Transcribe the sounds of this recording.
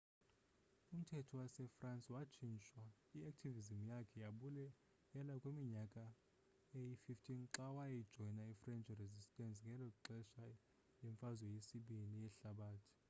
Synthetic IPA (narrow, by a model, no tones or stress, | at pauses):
um̩tʰɛtʰɔwasɛfransʼwat͡ʃʰint͡ʃʼwa | iak̚tʰivizimjakʰɛjaɓulɛ | jɛlakʼwimiɲakʼa | ejififtʰinǁawajɛid̥ʒ̥ʱɔnaifrɛnt͡ʃʼrezistʼɛnsʼŋɡʱɛlɔǁɛʃa | lɛɱfazwɔjesiɓinijɛɬaɓaːtʰi̥